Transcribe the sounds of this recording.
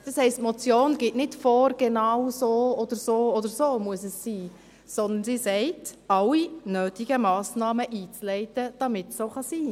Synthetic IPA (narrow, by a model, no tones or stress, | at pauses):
d̥ɑshɛɪstmɔt͡sjoːnɡɪtnɪtfoːɾɡ̥enɑwsoːɔd̥əɾsoːɔdəɾsoːmuəsɛsːiː | sɔnd̪ənsisɛɪtɑwinøːtiɡ̥əmɑːsnɑːməʔiːt͡slɛɪtəd̥ɑmɪtsoːχɑsiː